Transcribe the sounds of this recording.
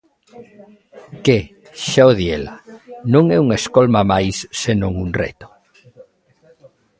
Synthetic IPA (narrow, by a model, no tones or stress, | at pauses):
ke | ʃaoðjelanõŋɛuŋeskolmamajsːenõŋunrḛt̪o̥